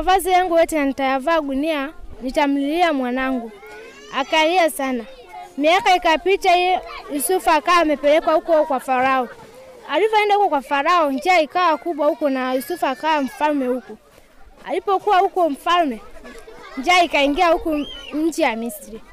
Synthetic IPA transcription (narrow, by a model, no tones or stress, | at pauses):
avazijaŋɡuwɛtinanitajavaːɡunianitam̩liliamwanaŋɡu | akaliasana | miakaikapitaiɔjusufuakawamɛpɛlɛkwahukɔkwafaɾaɔ | alivɔɛndaukɔkwafaɾaɔnd͡ʒaikawakuɓwahukɔnajusufuakawam̩falmɛhuku | alipɔkuwahukɔm̩falmɛ | nd͡ʒiaikaiŋɡiahukuɲ̩d͡ʒijamisiɾi